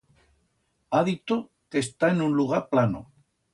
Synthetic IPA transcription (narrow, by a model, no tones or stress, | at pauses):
aðit̪o | ke̞st̪aenunluɣ̞aɾplano̰